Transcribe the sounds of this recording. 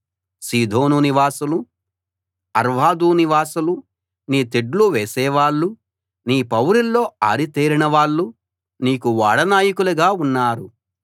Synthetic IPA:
siːd̪ʱo̞ːnuniʋaːsulu | ɐɾʋaːd̪uːniʋaːsulu | niːt̪eɖluʋeːsɛːʋaːɭːu | niːpɐwɾilːo̞ːa̰ːɾit̪eːɾinɐʋaːɭːu | niːkuʋaːɽɐnaːjikuluɡaːunːaːɾu

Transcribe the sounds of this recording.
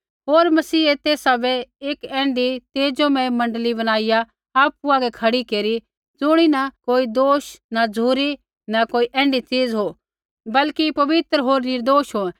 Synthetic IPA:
ɦoːɾmɐsiːet̪eːsabɛeːkɛ̃ːɳɖit̪eːd͡ʒõmɛ̃mɐ̃ɳɖlibɐñaːɪja | aːpuaɡɛkʰɐɽikeːɾi | d͡zʊɽ̃inakoːid̪oːʃnad͡zʱuːɾi | nɐkoːiʔɛ̃ːɳɖit͡siːd͡zɦo | bɐlkipɐʋɪt̪ɾɦoːɾnɪɾd̪oːʃɦoɛ̃

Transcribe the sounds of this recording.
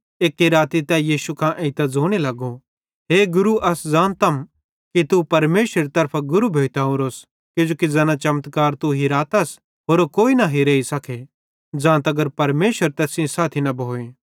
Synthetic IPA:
eːkːiɾaːt̪it̪ɛjiːsukʰãʔẽɪt̪ɛd͡zoːɽ̃elɐɡo | ɦeːɡʊɾuʔɐsd͡zãːnt̪ɐm | kit̪upɐɾmeːʃɾeɾit̪ɐɾpʰaɡʊɾubʱeːt̪aõɾoːs | ked͡ʒoːkid͡zɐnat͡ʃɐmt̪kaːɾt̪uɦiɾaːt̪ɐs | ɦoːɾokoːinɐɦiɾeːisɐkʰe | d͡zãːnt̪ɐɡəɾpɐɾmeːʃəɾt̪ɛːsĩsaːt̪ʰinɐbʱoːẽː

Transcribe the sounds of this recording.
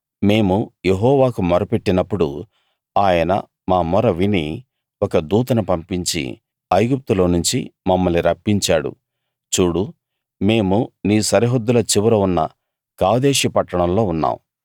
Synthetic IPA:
me̞ːmuje̞ɦɔːʋaːkumɔɾɐpeʈːinɐpːuɽu | aːjɐnɐ̰ | maːmɔɾɐʋini | ɔkɐd̪uːt̪ɐnɐpɐmpiɲt͡ʃḭ | ɐjɡup̚t̪ulo̞ːnuɲt͡ʃḭmɐmːɐlniɾɐpːiɲt͡ʃaːɽṵ | t͡ʃuːɽu | me̞ːmuniːsɐɾiɦod̪ːulɐt͡ʃiʋɐɾɐunːɐ̰ | kaːd̪eːʃipɐʈːɐɳɐmlo̞ːunːa̰ːmu

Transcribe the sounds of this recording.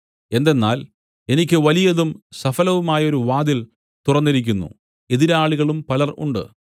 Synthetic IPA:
e̞nd̪e̞nːa̰ːl | e̞nikʲːɨʋɐlijɐðumsɐfɐlɐʋumaːjɐo̞ɾuʋaːd̪il | t̪urɐnːiɾik̬ʲːunːṵ | e̞ðiɾaːɭiɣɐɭumpɐlɐrṵɳɖɨ̰

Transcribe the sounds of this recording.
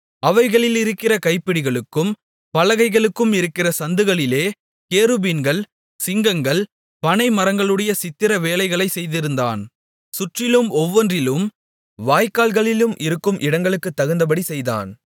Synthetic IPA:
ɐʋɐɪɣɐɭɪlɪɾɯkːɪrɐkɐɪpːɪɽɪɣɐɭɯkːɯm | pɐlɐɣɐɪɣɐɭɯkːɯmɪɾɯkːɪrɐsɐnd̪ɯɣɐɭɪleː | keːɾɯbinɡɐɭ | sɪŋɡɐŋɡɐɭ | pɐnɐɪmɐɾɐŋɡɐɭɯɽɐjɐsɪt̪ːɪɾɐʋeːlɐɪɣɐɭɐɪsɛjðɪɾɯnd̪a̰ːn | sʊʈrɪlɯmɔʋːɐndrɪlɯm | ʋaːjkːaːlɣɐɭɪlɯmʔɪɾɯkːɯmʔɪɽɐŋɡɐɭɯkːɯt̪ːɐɣɯnd̪ɐp̬ɐɽisɛjða̰ːn

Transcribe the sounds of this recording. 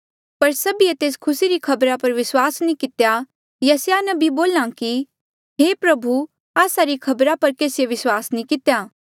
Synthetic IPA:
pɐɾsɐbiet̪eːskʰʊsiɾikʰɐbɾapɐɾʋɪswaːsnĩkɪt̪ja | jɐsjanɐbiboːlãki | ɦeːpɾɐbʱu | aːsaɾikʰɐbɾapɐɾkeːsɪjeʋɪswaːsnĩkɪt̪jaː

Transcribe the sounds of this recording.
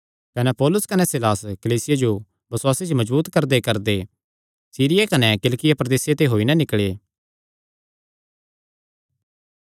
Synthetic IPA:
kɐnɛpɔːlʊskɐnɛsɪlaːskɐliːsɪjad͡ʒo | bɐswaːsit͡ʃmɐd͡ʒbuːt̪kɐɾd̪ekɐɾd̪e | siːɾɪjakɐnɛkɪlkɪjapɾɐd̪eːsjet̪eɦoːinɐ̃nɪkɭeː

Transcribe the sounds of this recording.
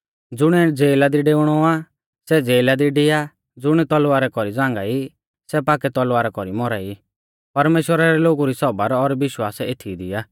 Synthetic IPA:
d͡zʊɽ̃ɛd͡zeːlad̪iɖeːʊɽ̃ɔa | sɛd͡zeːlad̪iɖɪja | d͡zʊɽ̃ɛt̪ɔlaɾɛkɔɾid͡zãːŋɡai | sɛpaːkɛt̪ɔlaɾɛkɔɾimɔɾai | pɐɾmeːʃwəɾaɾɛloːɡuɾisɔbaɾɔɾbɪʃwaːseːt̪ʰid̪ɪjaː

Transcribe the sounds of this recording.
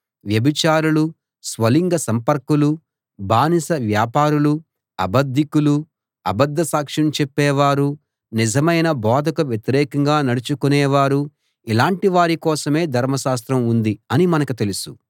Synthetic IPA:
ʋjɐbit͡ʃaːɾulu | sʋɐliŋɡɐsɐmpɐɾkulu | bʱaːnisɐʋjaːpaːɾulu | ɐbɐd̪ʱːikulu | ɐbɐd̪ʱːɐsaːkʂɐmt͡ʃɛpːɛːʋaːɾu | nid͡ʒɐmɐjnɐbɔːd̪ʱɐkɐʋjet̪iɾɛːkɐŋɡaːnɐɽut͡ʃukunɛːʋaːɾu | ilaːɳʈiʋaːɾikɔːsɐme̞ːd̪ʱɐɾmɐʃaːst̪ɾɐmund̪iɐnimɐnɐkut̪e̞lusu

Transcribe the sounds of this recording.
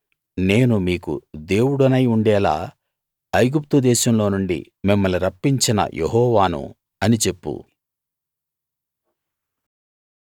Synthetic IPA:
ne̞ːnumiːkṵd̪e̞ːwuɽɐnɐjuɳɖɛːla̰ː | ɐjɡup̚t̪ud̪ɛːʃɐmlo̞ːnuɳɖḭ | mimːɐliɾɐpːiɲt͡ʃinɐ̰jʔḛɦɔːʋaːnṵ | ɐnit͡ʃe̞pːṵ

